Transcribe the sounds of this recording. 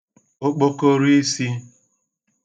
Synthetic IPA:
o˦k͡po˦ko˦ɾi˦si˦

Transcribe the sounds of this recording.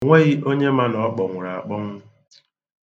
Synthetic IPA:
ŋʷe˦ɣɪ˦ʔo˦ɲe˦ma˦nɔ˨˦k͡pɔ˨ŋʷʊ˨ɾa˨a̰˨k͡pɔ˦ŋʷʊ˦

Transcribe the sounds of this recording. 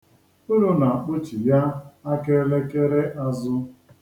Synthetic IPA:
ʊ˦ɾu˨na˨a˨k͡pʊ˦t͡ʃi˨ja˦a˦ke˦le˦ke˦ɾe˦ʔa˦zʊ˦

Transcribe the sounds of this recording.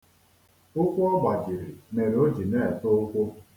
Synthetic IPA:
ʊ˦kʷu˦ɔ˦ɡ͡ba˨d͡ʒɪ˨ɾɪ˨me˨ɾo˦d͡ʒi˨ne˦e˨to˦o˦kʷo˦

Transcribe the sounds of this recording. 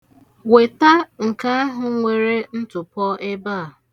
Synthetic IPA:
we˨ta˦ŋ̩˨ka˦a˦ɦʊ˨˦ŋʷe˨ɾe˦n̩˦tʊ˨pɔ˦ʔe˦baː˦˨

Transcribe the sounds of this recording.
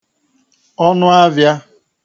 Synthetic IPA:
ɔ˦nʊ˦a˦vja˦

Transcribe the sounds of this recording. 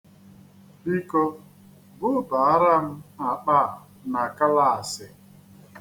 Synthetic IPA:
i˦ko˦ | bʊ˦ba˨a˦ɾa˦m̩˦a˨k͡pa˦˨ | na˨ka˦la˦˨a˨sɪ˦

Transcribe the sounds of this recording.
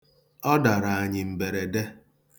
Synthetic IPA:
ɔ˦da˨ɾa˨a˨ɲɪ˨m̩˨be˨ɾe˨de˦

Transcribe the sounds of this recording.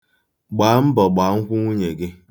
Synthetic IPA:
ɡ͡baː˨˦m̩˦bɔ˨ɡ͡ba˨˦ŋ̩˦kʷʊ˦ŋʷu˦ɲe˨ɡɪ˦

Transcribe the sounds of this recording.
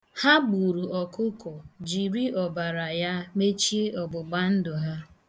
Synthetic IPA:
ha˦ɡ͡bu˨ɾu˨ɔ˨kʊ˦kɔ˨d͡ʒi˨ɾi˦ʔɔ˨ba˨ɾa˨ja˦me˦t͡ʃi˦e˦ʔɔ˨ɡ͡bʊ˨ɡ͡ba˦n̩˦dʊ˨ɦa˦

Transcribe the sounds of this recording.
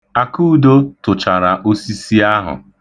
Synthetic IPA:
a˨kuː˦˨do˦tʊ˨t͡ʃa˨ɾa˨ʔo˦si˦si˦a˦ɦʊ̰˨

